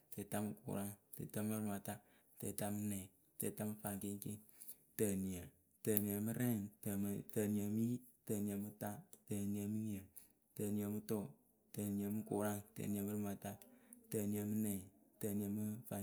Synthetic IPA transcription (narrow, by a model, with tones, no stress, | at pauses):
te˨ta˦mɨ˨kṵ˨ɾa˦ŋtḛ˨ta˦mɨ˦ɾɨ˦ma˨ta˦ | te˨ta˧mɨ˦nɛ˨ | te˨ta˦mɨ˧fa˨ŋke˦ŋki˦ | tə˨ni˨ə˨ | tə˨ni˨ə˨mɨ˦ɾɛ˦˨ŋtə˨tə˨ni˨ə˨mɨ˦i˦tə˨ni˨ə˨mɨ˦ta˦tə˨ni˨ə˨mɨ˦ɲ˦ə˨ | tə˨ni˨ə˨mɨ˦tɔ˦˨ | tə˨ni˨ə˨mɨ˦ku˨ɾa˦ŋtə̰˨ni˨ə˨mɨ˦ɾɨ˦ma˨ta˦tə˨ni˨ə˨mɨ˦nɛ˨tə˨ni˨ə˨mɨ˦fa˨